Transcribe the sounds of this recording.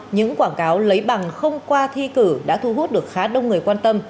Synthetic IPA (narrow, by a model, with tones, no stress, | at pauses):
ɲɨ̰˧˥ŋkwaː˧˩nkaː˨˦wlə˨˦jɓa˨˩ŋxə˧wŋ͡mkwaː˧t̪ʰi˧kɨ˧˩ɗa̰ː˧˥t̪ʰu˧ɦu˦˥t̚ɗɨ˨˩ək̚xaː˨˦ɗə˧wŋ͡mŋɨ˨˩əjkwaː˧nt̪ə˧m